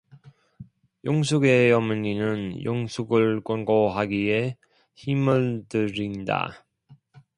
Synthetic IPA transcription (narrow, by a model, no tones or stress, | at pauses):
joŋsʰuɡe̞jʌmɯninɯnjoŋsʰuɡɯɭk͈onɡoɦaɡie̞ | çimɯɭtɯɾinda̰